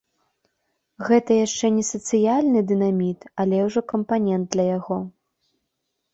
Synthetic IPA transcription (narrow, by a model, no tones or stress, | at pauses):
ɣɛt̪ɐjaʂt͡ʂɛnʲɛsɐt̪sɨjalʲnɨd̪ɨnamʲit̪ɐlʲɛwʐɔkɐmpanʲɛnd̪̚d̪lʲɐjaɣɔ